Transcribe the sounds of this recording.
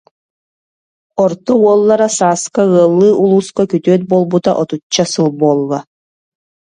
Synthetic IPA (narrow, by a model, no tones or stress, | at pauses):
ɔɾt̪ɔuɔlˠːaɾasaːskaɯɐlˠːɯːʔulˠuːskakyt̪yœt̪̚bɔlˠbut̪a̰ʔɔt̪ut͡ɕːasɯlˠbuɔlˠːa